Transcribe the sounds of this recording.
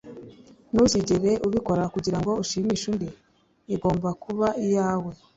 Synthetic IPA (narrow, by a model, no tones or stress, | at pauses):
nuziɟeɾe̞ʔuβiko̞ɾakuɟiɾaŋɡo̞uʃiːmiʃundeː | ɡo̞ːmbakuβaijaːwe̞